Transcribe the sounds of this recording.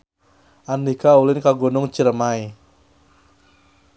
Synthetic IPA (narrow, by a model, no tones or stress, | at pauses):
andikaulɪnkaɡonʊŋt͡ʃiɾəmae